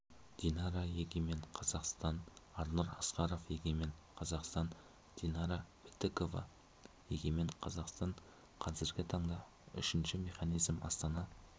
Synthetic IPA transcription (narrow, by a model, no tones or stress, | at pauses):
d̪̥inɑɾɑjeɡʲeme̞ɴqʰɑzɑqst̪ɑnɑɾnuɾɑ̰sqɑɾo̞fje̞ɡʲeme̞ɴqʰɑzɑqst̪ɑn | d̪̥inɑɾɑbelt̪eko̞vɑ̰ | je̞̰ɡʲeme̞ɴqʰɑzɑqst̪ɑɴ | qʰɑzɪɾɡʲɪt̪ʰɑɴd̪ɑ | ʏ̰ʃɪnʃɪme̞χɑnijzmɑ̰st̪ɑnɑ